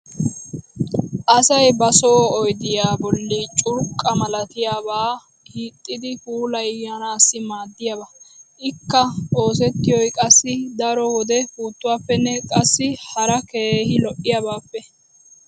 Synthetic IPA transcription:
ʔɐsɐjbɐsoːɔjd̪ɪjaːbɔlːit͡ʃʼʊɾkʼːɐmɐlɐt̪ɪjaːbaː | hiːt̪ʼːɪd̪ɪpuːlɐjjɐnaːsːɪmaːd̪ːɪjabɐʔɪkːɐo̞ːsɛt̪ːɪjɔjkʼɐsːɪd̪ɐɾɔwɔd̪ɛfuːt̪ːʊwaːpːɛnːɛkʼɐsːɪhɐɾɐkeːhɪlɔʔɪjabaːpːɛ

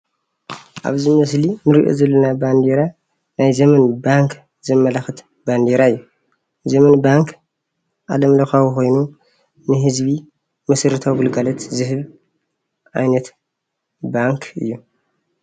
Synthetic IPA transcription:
ʔa̰βzimɐs̬linɨɾiʔo̰zɐlːɐnaband̪eɾa | najzɐmɐnbaŋk | zɨmːɐlaxɨt̪ | band̪eɾaɨjːu | zɐmɐnbaŋk | ʔalɐmlɐxawuxo̞jnu | nɨɦɨzβi | mɐsɨɾɨt̪ʰawɡɨlɡalɐt̪zɨɦɨβ | ʔajnɐt̪ | baŋkʰɨ̰jːu

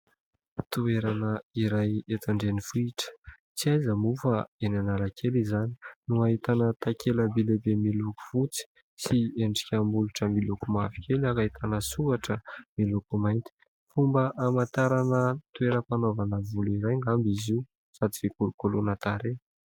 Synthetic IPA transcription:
t̪ueɾanəiɾajet̪aɳɖ͡ʐenifuiʈ͡ʂə̥ | t͡siajzəmufaenanalakʰelizani̥nuaɦit̪anət̪akʲʰeləbelebemiluku̥v̥ut͡si̥ | sieɳɖ͡ʐi̥kʲambuluʈ͡ʂəmilukumavi̥kʲelakait̪ʰanəsuaʈ͡ʂəmilukumajnt̪i̥ | fumbəʔamant̪aɾanət̪ueɾəpanovanəvuliɾajŋɡambizi | sad̪ivikulukolunət̪aɾe

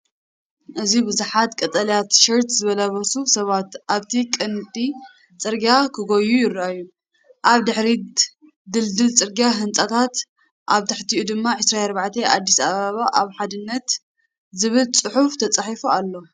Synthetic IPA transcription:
ʔɨzibɨzuħat̪kʼɐt̪ʼɐljat̪ʃɨɾt̪zɨβɐlaβɐsusɐβat̪ʔaβt̪ʰikʼɨnt̪ʼi | t͡sʼɨɾɡakʰɨɡojujɪrːʔajːu | ʔaβd̪ɨħɾi | d̪ɨld̪ɨlt͡sʼɨɾɡaɦɨnt͡sʼat̪ʰat̪ | ʔaβt̪ʰɨħt̪ʰiʔud̪ɨmːaʕɨsɾaɐɾbaʕt̪ʰeʔad̪ːisaβaβaʔaβħad̪ɨnːɐt̪ | zɨβɨlt͡sʼɨħuft̪ʰɐt͡sʼaħifualːo̞

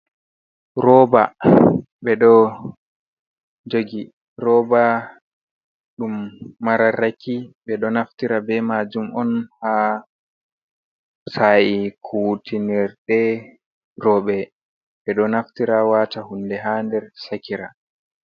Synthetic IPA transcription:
ɾɔːba | ɓɛɗɔ | d͡ʒoɡi | ɾɔːba | ɗumːaɾaɾakʰiɓɛɗɔnaftiɾabɛmad͡ʒumɔnha | sajikʰutiniɾɗɛ | rɔːɓɛ | ɓɛɗɔnaftiɾawaːtahundɛɦandɛɾsakiɾa

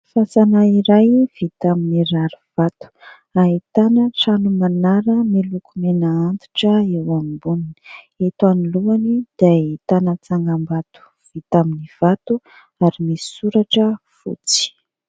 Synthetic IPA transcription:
fasanaiɾajv̥it̪aminiɾaɾuv̥at̪u̥ | ait̪anəʈ͡ʂanumanaɾəmelukʰumenaant̪u̥ʈ͡ʂəewamibunini̥ | et̪uaniluanid̪̥ajt̪anat͡saŋɡambat̪u̥ | v̥it̪aminiv̥at̪u | aɾimisuɾaʈ͡ʂə | fṵt͡si̥

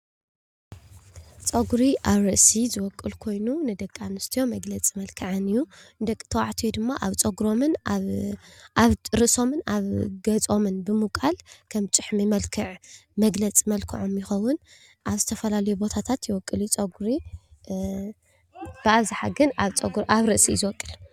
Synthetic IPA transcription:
t͡sʼɐɡɾiʔaβɾɨʔsizɨwɔkʼːɨlkʰo̞jnunɨd̪ɐkʼːanɨst̪ʰijo̞mɐɡlɐt͡sʼimɐlkʰɨʕanɨjːud̪ɐkʼɨ̥t̪ʰɐwaʕt̪ʰijud̪ɨmːaʔaβt͡sʼɐɡɾo̞mɨn | ʔaβɾɨso̞mɨnaβɡɐt͡sʼo̞mɨnbɨmukʼalkʰɐmt͡ʃʼɨħmimɐlkʰɨʕmɐɡlɐt͡sʼimɐlkʰɨʕo̞mjɪxɐwʊn | ʔaβzɨt̪ʰɐfɐlalɐjubo̞t̪ʰat̪ʰat̪jɪwɔkʼːɨlit͡sʼɐɡɾi | b̥ɨaβziħaɡɨnaβt͡sʼɐɡɾʔaβɾɨʔsḭzɨwɔkʼːɨl

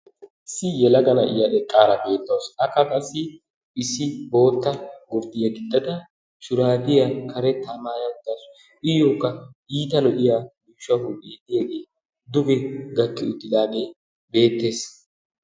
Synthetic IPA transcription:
ɪsɪjɛlɐɡɐnɐʔɪ̰jɐʔɛkʼːaːɾɐbe̞ːt̪ːɐwsɐkːɐkʼɐsːɪ | ɪsɪbo̞ːt̪ːɐɡʊɾd̪ɪjɐɡɪd̪ːɐd̪ɐ | ʃʊɾaːd̪ɪjɐkʰɐɾɛt̪ːamaːjɐʊt̪ːas | ʔɪjokːɐiːt̪ɐnɔʔɪjamiːʃɐhʊbeːd̪ɪjeɡeː | d̪ʊɡɛɡɐkːɪʊt̪ːɪd̪aːɡe | be̞ːt̪ːe̞ːs

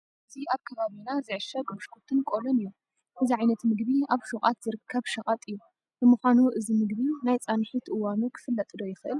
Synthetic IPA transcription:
ʔɨziaβkʰɐβaβinazɨʕɨʃɐɡoʃkʰut̪ʰɨnkʼolonɨjːu | ʔɨziʕajnɐt̪mɨɡbiaβʃuχʼa̰t̪z̥ɨɾɨkʰːɐβʃɐχʼat̪ʼɨjːu | b̥ɨmuxʷanuʔɨzimɨɡβinajt͡sʼanħit̪ʔɨwanukʰɨ̥fɨlːɐt̪ʼd̪o̞jɪxɨʔɨl

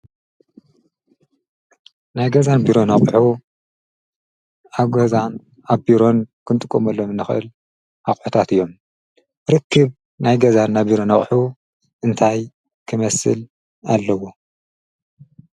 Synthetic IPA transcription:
najɡɐzanbiɾo̞naχʼħu | aβɡɐzan | aβbiɾo̞nkʰɨnt̪ʼɨkʼːomɐlːomɨnːɨxʔɨ̰l | ʔaχʼħut̪ʰat̪ɨjːo̞m | ɾɨkʰːɨβ | najɡɐzanːabiɾo̞nɐχʼħu | ʔɨnt̪ʰaj | kʰɨmɐsɨ̰l | alːɐwo

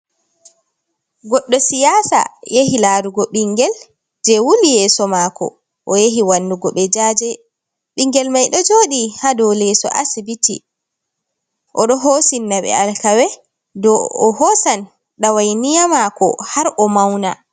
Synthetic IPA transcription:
ɡɔɗːɔsijaːsa̰jehilaɾuɡɔɓiŋɡɛl | d͡ʒɛwulijɛsɔmakɔ̰ | ʔɔjeɦiwanduɡɔɓɛd͡ʒaːd͡ʒɛ | ɓiŋɡɛlmajɗɔd͡ʒoːɗihadɔwlɛsɔ̰ʔa̰sibitḭ | ʔɔɗɔɦosinːaɓɛ̰alkawɛ | dɔːhɔsan | ɗawajnijamakɔ̰haɾʔɔmawna

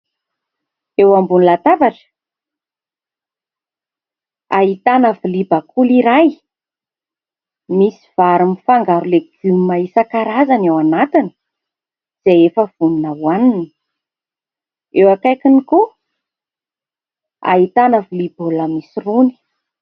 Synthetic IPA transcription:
ewambunilat̪avaʈ͡ʂə̥ | a̰ɦit̪anəvulibakʰuliɾaj | misiv̥aɾumifaŋɡaɾuleɡ̥unmaisakaɾazanewanat̪inə̥ | z̥ejefəv̥uninawanin | ewakajkiniku | a̰ɦit̪anəvuliboləmisiruni̥

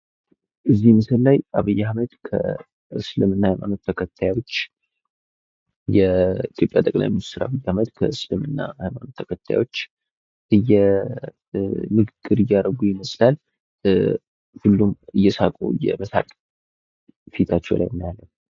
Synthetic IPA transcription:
ʔɨzːihmɨsɨllajaβɨjːahməd̪kʰə̰ | ɨslɨmɨnːahajmano̞t̪ʰːəkʰət̪ʰːajwo̞t͡ʃː | jɛit̪ʰjo̞pʼjat̪ʼəkʼla̰jminist̪ʰɨɾaβɨjːahməd̪kʰəɨslɨmɨnːa̰hajmano̞t̪ʰːəkʰət̪ʰːa̰jo̞t͡ʃː | ʔɨjːɛ | mɨɡɨɡɨɾɨjaɾəɡujɪməsʼlal | hulːumɨjːɛsakʼṵɨjɛ̰məsa̰kʼ | fit̪ʰat͡ʃːɛwla̰jnːajalːəm

